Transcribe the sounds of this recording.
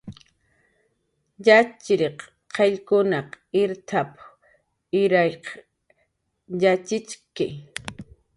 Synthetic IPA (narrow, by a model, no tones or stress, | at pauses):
ʎat͡ʃɾeq | qʰeʎkʊnɑqɪɾt̪ʰap | ɪɾajq | jat͡ʃɪt͡ʃkɪ̰